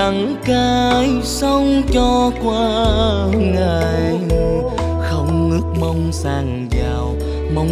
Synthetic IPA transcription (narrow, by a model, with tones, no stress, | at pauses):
a˨˩ŋ | kaː˧jsə˧wŋ͡mt͡ɕɔ˧kwaː˧˨ | ŋaː˨˩j | xə˧wŋ͡mŋɨ˦˥ək̚mə˧wŋ͡msaː˧˩ŋ | zaː˨˩w | mə˧w